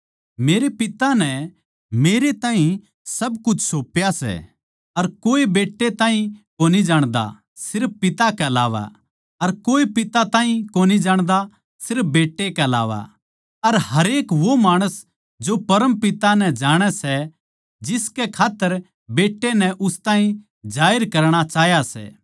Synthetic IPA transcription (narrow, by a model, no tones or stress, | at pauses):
meːɾepɪt̪anɛ | meːɾet̪ãːɦĩ | sɐbkʊt͡ʃʰsoːpjasɛ̰ | ɐɾkoːebeːʈːet̪ãːɦĩkoːnid͡ʒaːɽ̃d̪a̰ | sɪɾpːɪt̪akɛɐla̰ːʋa̰ | ɐɾkoːipɪt̪at̪ãːɦĩkoːnid͡ʒaːɽ̃d̪a | sɪɾp̚beːʈːekɛɐla̰ːʋa̰ | ɐɾɦɐɾeːkʋomaːɽ̃əs | d͡ʒopɐɾəmpɪt̪anɛd͡ʒaːɽ̃ɛsɛ | d͡ʒɪskɛkʰaːt̪ːəɾ | beːʈːenɛʔʊst̪aːĩ | d͡ʒaːɪɾkɐɾɽ̃at͡ʃaːɦjasɛ̰ː